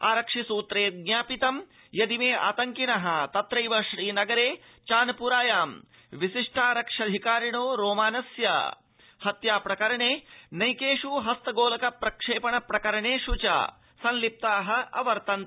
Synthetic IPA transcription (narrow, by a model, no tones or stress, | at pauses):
aːɾɐkʂisuːt̪ɾeːɡɲaːpit̪ɐm | jɐd̪imeːʔa̰ːt̪ɐŋkinɐɦɐt̪ɐt̪ɾɐjʋɐʃɾiːnɐɡɐɾeː | t͡ʃaːnɐpuɾaːjaːm | ʋiʃiʂʈʰaːɾɐkʂɐd̪ʱikaːɾiɳoːɾoːmaːnɐsjɐ̰ | hɐt̪jaːpɾɐkɐɾɐɳeːnɐjkeːʂuɦɐst̪ɐɡoːlɐkɐpɾɐkʂeːpɐɳɐpɾɐkɐɾɐɳeːʃut͡ʃa̰ː | sɐ̃nlip̚t̪aːɦɐ̆ɐ̰ʋɐɾt̪ɐnt̪